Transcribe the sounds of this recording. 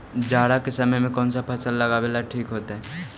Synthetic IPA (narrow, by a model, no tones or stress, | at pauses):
d͡ʒaːɽakesɐməjmẽkɔːnsapʰɐsəlːɐɡabeːlaʈʰiːkɦoːt̪aɦɛ